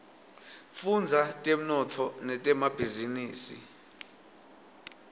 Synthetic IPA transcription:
fund͡zʱatʼem̩nɔtʰɔnɛtʼɛmab̥ʱiziniːsḭ

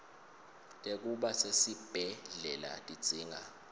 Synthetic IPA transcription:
tʼek̬ʼuɓasesib̥ʱɛɮɛla̰tʼid̥z̥ʱiːŋa

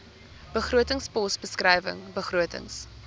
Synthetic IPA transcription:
b̥əχruətəŋspɔsbəskrɐjvə̰ŋbəχruətə̰ŋs

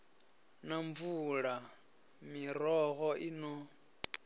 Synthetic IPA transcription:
naɱvuɺa | miɾɔɣɔʔinɔ

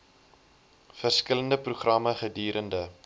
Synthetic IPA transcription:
fərskələndəpruχrɐməχədiːɾʔəndə

